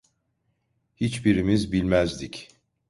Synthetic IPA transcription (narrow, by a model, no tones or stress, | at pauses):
hit͡ʃbiɾimizbilʲmæzd̪ic